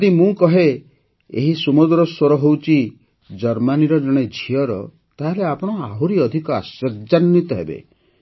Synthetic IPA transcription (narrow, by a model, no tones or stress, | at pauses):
d̪imũkɔɦe | ḛɦisumud̪ɾɔswɔɾɔɦowt͡ʃi | d͡ʒɔɾmaniɾɔd͡ʒɔɽ̃ed͡ʒʱiɔɾɔ̰ | t̪aɦeleapɔɽ̃ɔaɦuɾiɔd̪ʱikɔasɔɾd͡ʒanːit̪ɔɦḛbḛ